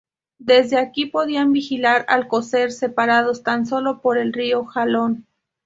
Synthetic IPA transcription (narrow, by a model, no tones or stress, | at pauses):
d̪e̞zðeakipo̞ðianbixilaɾa̰lko̞se̞ɾse̞paɾað̞o̞st̪anso̞lo̞po̞ɾe̞lrio̞xalo̞n